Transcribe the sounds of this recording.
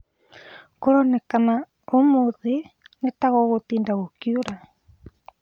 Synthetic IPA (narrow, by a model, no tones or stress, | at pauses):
koɾɔnɛkana | omoðenetaɣɔɣot̪iːndaɣokjuɾa